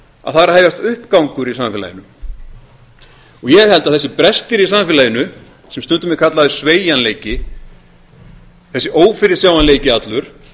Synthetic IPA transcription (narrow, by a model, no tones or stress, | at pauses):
a̰ðθaɾaheːjvast̪ʏhpkawŋkʏɾisamfɪla̰jɪnʏm | ɔɣjɛɦɛlt̪aðθɛsːɪpɾɛst̪ɪɾisamfɪlajɪnʏ | sɛmst̪ʏnt̪ʏmɪkʰat̪laðɪsveːjanleːjcɪ | θɛsːɪʔoːwfɪɾɪ̥sjawanleːjcɪat̪lʏɾ̥